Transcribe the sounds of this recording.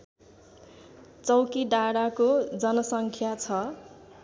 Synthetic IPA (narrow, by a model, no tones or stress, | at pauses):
t͡sʌwkiɖaɽakod͡zʌnʌsʌŋkʰjat͡sʰʌ